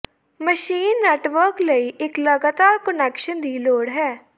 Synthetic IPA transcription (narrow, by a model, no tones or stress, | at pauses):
məʃiːnːɛːʈʋəɾkləiːʔɪkləɡaːt̪aːɾkənɛːkʃənd̪iːloːɽɦɛː